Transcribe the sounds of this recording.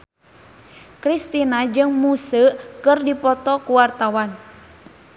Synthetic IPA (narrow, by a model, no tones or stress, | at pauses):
kɾist̪inad͡ʒɨŋmusəkɨrdipɔt̪ɔkuwart̪awan